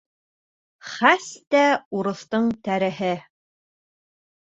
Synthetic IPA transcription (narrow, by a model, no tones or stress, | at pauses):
χæst̪æuɾɤ̆θt̪ɤɴt̪æɾɘ̆ɦɘ